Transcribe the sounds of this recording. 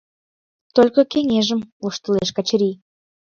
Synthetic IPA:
t̪olʲkə̆keŋeʒə̆moʃt̪ə̆leʃkɑt͡ɕɾi

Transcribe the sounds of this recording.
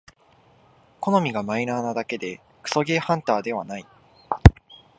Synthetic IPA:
ko̞no̞mʲiɡamainaːnad̪ake̞d̪e̞ | kɯ̟̥so̞ɡe̞ːhãnt̪aːd̪e̞β̞anai

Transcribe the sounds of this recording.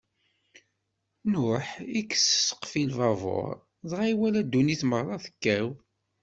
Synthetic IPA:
nʊħikːə̥ssə̥qfilvɑvo̰ɾˤ | ðˤʁiwælæd̪ːuniθməɾːˤɑθə̥kːæw

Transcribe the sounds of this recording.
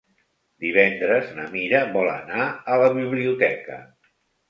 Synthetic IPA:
d̪iβ̞ɛnd̪ɾəznəmiɾəβɔlə̰naələβiβliut̪ɛkə̰

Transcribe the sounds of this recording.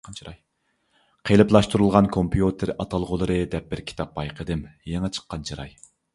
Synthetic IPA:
ɾ | qʰelˠɨplˠɑʃt̪uɾulˠʁɑnkʰompʰijut̪ʰɪɾɑt̪ʰɑlˠʁʊlˠɨɾɨd̪ɛp̚bɪɾkʲʰi̥t̪ʰɑp̚bɑjqʰəd̪ɨmjeŋɨt͡ʃʰə̥qʰːɑnt͡ʃʰiɾɑ̰j

